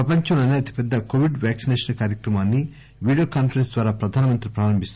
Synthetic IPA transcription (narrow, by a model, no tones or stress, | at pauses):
pɾɐpɐɲt͡ʃɐmlɐneɐt̪i̥pɛd̪ːɐkoʋiɖʋaːksineːʂɐnkaːɾjɐkɾɐmaːnːi | ʋiːɽijoːkaːnpɐɾensd̪ʋaːɾaːpɾɐd̪ʱaːnɐmɐnt̪ɾipɾaːɾɐmbʱist̪u